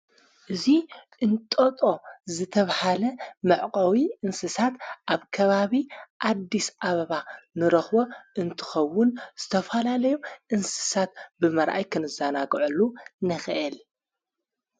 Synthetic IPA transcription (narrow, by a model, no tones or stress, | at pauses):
ʔɨziʔɨnt̪ʼot̪ʼo̞zɨt̪ʰɐβhalɐmɨʕqʼɐwiʔɨnsɨsat̪ʔaβkʰɐβaβiʔad̪ːisaβɐβanɨɾɐxbo̞ʔɨnt̪ʰɨ̥xɐwːʊnz̥ɨt̪ʰɐfalalɐjuʔɨnsɨ̥sat̪̚bɨmɐɾʔa̰jkʰɨnɨzanaɡʕulːunɐxʔɛl